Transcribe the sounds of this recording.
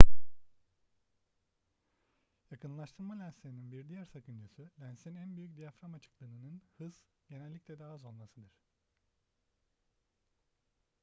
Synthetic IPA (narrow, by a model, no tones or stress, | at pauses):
jakʰɯnlˠaʃt̪ʰɯɾmalʲænseɾininbiɾd̪ijæɾsakʰɯnd͡ʒɯsɯlʲænsinænbyjyc̚d̪ijafɾamat͡ʃʰɯ̥klˠɯnɯnɯnhɯz̥ | ɟe̞nɛlʲːiclʲɛd̪aːazo̞lˠmasɯd̪ɯɾ̥